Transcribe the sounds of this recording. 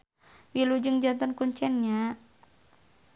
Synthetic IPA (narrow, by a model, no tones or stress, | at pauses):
wilud͡ʒɨŋd͡ʒant̪ɔnkuɲt͡ʃɛnɲa